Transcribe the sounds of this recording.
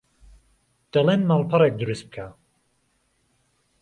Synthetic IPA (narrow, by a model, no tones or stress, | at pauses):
d̪̥ɐlenmaːlˠpʰɐɾɛk̚d̪ɨɾust̪b̚kʰa